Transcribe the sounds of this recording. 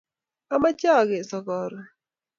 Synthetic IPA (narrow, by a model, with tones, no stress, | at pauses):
a˦ma˦t͡ʃɔ˦˨ɡɪ˨sɔ˨kɔ˨ɾ